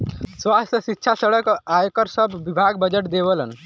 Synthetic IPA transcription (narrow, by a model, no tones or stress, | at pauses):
swast̪jəʃitːʃʰasəɽəkajkəɾsəbːibʱaɡ̚bəd͡ʒəʈd̪eʋələ̰n